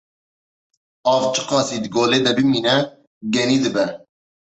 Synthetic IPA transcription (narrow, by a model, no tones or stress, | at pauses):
ɑːvt͡ʃʰɨ̥qɑːsiːd̪ɨɡoːleːd̪ɛbɨmiːnɛ | ɡɛniːd̪ɨbɛ